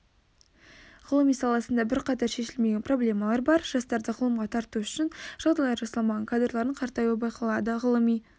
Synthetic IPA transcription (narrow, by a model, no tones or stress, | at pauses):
ʁʊlˠəmijsɑlˠɑsənd̪ɑbɪɾqɑt̪ɑɾʃe̞ʃɪlme̞ɡʲe̞npro̞blʲe̞mɑlˠɑɾbɑɾʒ̥ɑst̪ɑɾd̪əʁʊlˠəmʁɑt̪ʰɑɾt̪uʃʏʃɪnʒ̥ɑlˠd̪ɑlˠɑɾʒɑsɑlˠmɑʁɑnkʰad̪rlˠɑɾəɴqʰɑɾt̪ɑjwəbɑjqʰɑlˠɑd̪əʁʊlˠəmij